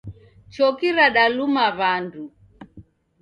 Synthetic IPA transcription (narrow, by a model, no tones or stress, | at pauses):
t͡ʃɔkiɾaɗalumaβandu